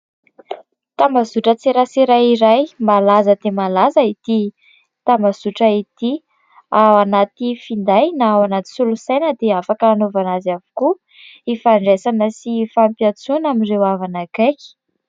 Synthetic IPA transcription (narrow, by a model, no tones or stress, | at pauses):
t̪ambazuʈ͡ʂət͡seɾasiɾajiɾajmalazəd̪̥emalazəit̪i | t̪ambazuʈ͡ʂəit̪i | awanat̪ifind̪ajnaawanat̪i̥sulusajnəd̪eafakəːnovanazavu̥ku | ifaɳɖ͡ʐesanəsifampjat͡sunamirewavanakaki̥